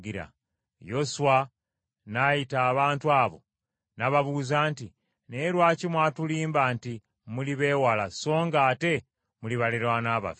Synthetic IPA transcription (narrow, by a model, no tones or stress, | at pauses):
ɡiɾa̰ | jo̞suwa | najitaːβaːntuaːβo̞̰ | naβaβuːzaːnti | ne̞ːɾwaːcimwaːtuliːmbaːnti | muliβe̞ːwalaso̞ːŋɡaːte̞ | muliβaleɾwanaːβa̰fe